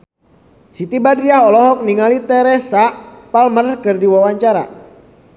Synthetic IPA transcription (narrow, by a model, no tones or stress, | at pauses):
sit̪ibadɾiaɦɔlɔɦɔk̚niŋalit̪ɛɾɛsaʔpalmərkɨrdiwawaɲt͡ʃaɾa̰